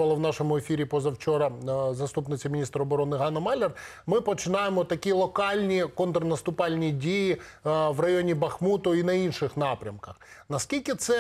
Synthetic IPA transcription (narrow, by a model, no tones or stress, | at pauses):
ʋɐlˠɐʋnɑʃɔmʊefʲiɾʲipɔzɐwt͡ʃɔɾɐzɐst̪upnɪt͡sʲɐmʲɪnʲist̪ɾɐɔbɔɾɔnɪɦɑnɐmɑlʲer | mɪpɔt͡ʃɪnɑjemɔt̪ɐkʲilˠɔkɑlʲnʲikɔnt̪ɾɐnɐst̪ʊpɑlʲnʲidʲiji | ʋrɐjonʲibɐxmut̪ʊinɐinʃɪxnɑpɾʲɐmkɐxnɐskʲilʲkʲɪt̪sɛ